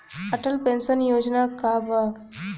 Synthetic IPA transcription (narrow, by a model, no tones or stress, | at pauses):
ɐʈəlpensənjoːd͡ʒnakaba